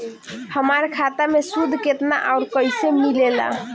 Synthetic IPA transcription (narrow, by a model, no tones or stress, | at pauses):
həmaɾkʰat̪amesud̪ʱket̪na̰ʔaʊɾkəjsemilela̰